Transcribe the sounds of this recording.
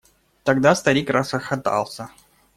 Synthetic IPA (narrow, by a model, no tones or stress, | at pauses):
t̪ɐɡd̪ast̪ɐɾʲikrʔasəxɐt̪ɑ̰lˠsʲə